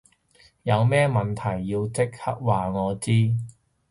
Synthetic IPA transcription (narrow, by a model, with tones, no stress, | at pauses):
jɐ˨˧wmɛː˥mɐ˨nt̪ʰɐ˨˩jːiː˧wt͡sɪ˥k̚hɐ˥k̚waː˨ŋɔː˨˧t͡siː˥